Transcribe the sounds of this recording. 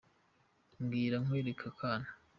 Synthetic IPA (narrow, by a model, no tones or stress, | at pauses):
ŋɡiːɾaŋweːɾekʰakʰaːna